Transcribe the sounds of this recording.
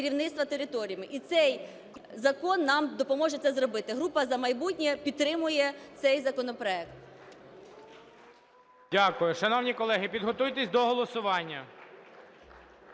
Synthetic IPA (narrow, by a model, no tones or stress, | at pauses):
ɾʲiwnɪt̪st̪ʋɐt̪eɾɪt̪ɔɾʲijɐmɪʔit̪sɛj | zɐkɔnːɑmd̪ɔpɔmɔʒɛt̪sɛzrɔbɪt̪ɪɦɾupɐzɐmɐjbutʲnʲɛpʲid̪̚t̪ːɾɪmʊjɛt̪sɛjzɐkɔnɔpɾɔɛk̚t̪ | dʲakʊjʊʃɐnɔwnʲikɔlˠɛɦɪpʲid̪ɦɔt̪ujt̪esʲd̪ɔɦɔlˠɔsʊʋɑnʲːɐ